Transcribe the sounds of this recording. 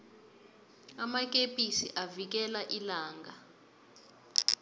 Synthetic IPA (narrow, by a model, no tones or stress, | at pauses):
amak̬ʼepʼisiʔavik̬ɛlaʔilaːŋɡa